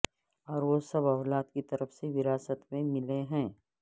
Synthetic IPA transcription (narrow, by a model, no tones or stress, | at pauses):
ɔːɾʋosɐbɐʋlaːt̪kit̪ɐɾəfseʋɪɾaːsət̪mẽmɪleɦɛ̃ː